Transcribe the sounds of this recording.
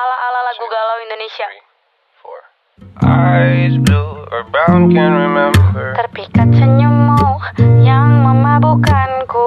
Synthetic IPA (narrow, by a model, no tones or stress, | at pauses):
alaʔalalaɡuɡalawindonesia | ʔa | bkɛ̃nɹimɛ̃mbət̪ərpikat̪̚səɲəmɔhjaŋməmabukanku